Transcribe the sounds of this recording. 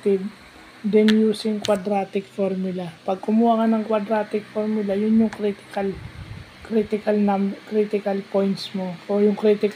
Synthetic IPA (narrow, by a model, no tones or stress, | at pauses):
t̪ɪb | d̪ɛnjuːsɪŋkwɐd̪ɾaːt̪ɪkfoɾmʊlɐpɐɡ̚kʊmuhakanɐŋkwɐd̪ɾaːt̪ɪkfoɾmʊlɐjʊnjʊŋkɾit̪kɐl | kɾit̪ɪkɐlnamkɾit̪ɪkɐlpojnt̪smoojʊŋkɾit̪ɪk